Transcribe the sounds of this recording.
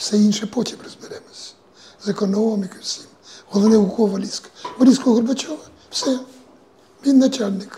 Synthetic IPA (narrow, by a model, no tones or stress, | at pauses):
wsɛinʃɛpɔtʲiprɔzbɪɾɛmɔsʲɐ̥ | zɐkɔnɔʋɔmikɪwsʲi̥mhɔlˠɔnɛkɔʋɐlʲiskɐ̥ʋɔlʲiskɔɔɣɔrbɐt͡ʃɔʋɐ | wsɛ | mʲinːɐt͡ʃalʲnɪk